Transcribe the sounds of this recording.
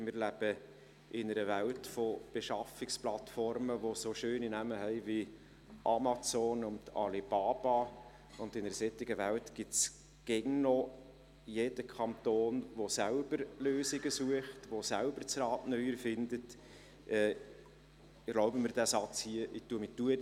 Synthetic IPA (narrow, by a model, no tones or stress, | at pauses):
mɪːɾlæb̥ə | ʔɪnəɾəʋæltfob̥eʃɑfɪksplɑtfɔrməʋosoʃøːninæməhɛɪvi | ʔɑmɑt͡soːnʊntɑ̰lib̥ɑːb̥ɑ | ʊndɪnəɾsɛt̪ːɪɡəʋæltɡ̥ɪts | ɡ̥ɛŋnɔ | jed̥əkʰɑnt̪oːnʋosælb̥əɾløːsɪɡəsuəχtʋosælbəɾt͡sɾɑːtnœʏəɾfɪndət | ʔɛː | ɡloʊbəmɪɾd̥æsɑt͡shiəʔɪtuəmɪtuə